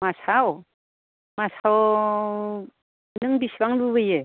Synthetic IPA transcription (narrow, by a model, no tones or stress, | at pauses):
masaw | masaw | nɯŋbisbaŋlubɯje